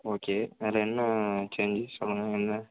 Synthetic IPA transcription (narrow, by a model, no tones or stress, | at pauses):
oːkeːɐlɐɛnːɐt͡ʃeːɲd͡ʒɯsɔlːɐŋɡɐɛnːɐ